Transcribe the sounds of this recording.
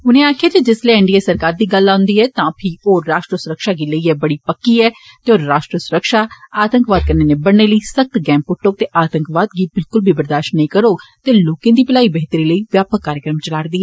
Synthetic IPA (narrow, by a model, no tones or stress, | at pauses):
ʊnẽːaːkʰijaːt̪eːd͡ʒɪsleːɛ̃ɳɖiːeːsəɾkaːɾd̪iːɡəlːãːʊnd̪iːɛːt̪ãːpʰɪoːaːʃʈɾəsʊɾəkʃaːɡiːləiːɛːbəɽiːpəkːiːɛː | t̪eːoːɾːaːʃʈɾəsʊɾəkʃaːaːt̪ə̃ŋkʋaːd̪̚kəɾneːnẽːbəɽneːləiːsək̚t̪ɡɛ̃ːmpːʊʈːʊk̚t̪eːʔaːt̪ə̃ŋkʋaːd̪ɡiːbɪlkʊlbʱiːbəɾd̪aːʃnːəĩkəɾoːt̪eːloːkẽːd̪iːpɪlaːiːbəɦɪt̪ɾiːləiːʋjaːpəkːaːɾjəkɾəmt͡ʃəlaːɾd̪iːɛː